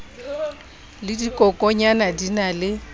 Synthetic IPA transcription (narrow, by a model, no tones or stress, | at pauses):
lɪdikʼɔkʼɔɲanadinalɪ